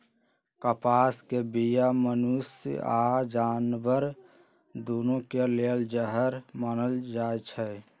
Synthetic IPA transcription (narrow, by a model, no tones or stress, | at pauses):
kəpaːskebijamənusad͡ʒaːnbəɾ | d̪oːnõkeleld͡ʒəɦəɾmənəld͡ʒaːet͡ʃʰɛ